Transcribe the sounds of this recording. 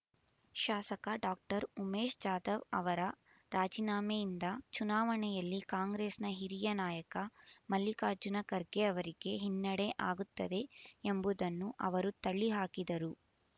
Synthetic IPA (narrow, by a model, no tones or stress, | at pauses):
ʃaːsɐkɐɖaːk̚ʈɐɾumeːʃd͡ʒaːd̪ɐʋɐ̰ʋɐɾɐ | ɾaːd͡ʒinaːmejind̪ɐt͡ʃunaːʋɐɳɛjɐlːikaːŋɡɾeːsnɐɦiɾijɐnaːjɐkɐmɐlːikaːɾd͡ʒunɐkɐɾɡeɐʋɐɾiɡe̞ɦinːɐɽeʔaːɡut̪ːɐd̪e̞embud̪ɐnːuʔɐ̰ʋɐɾut̪ɐɭːiɦaːkid̪ɐɾu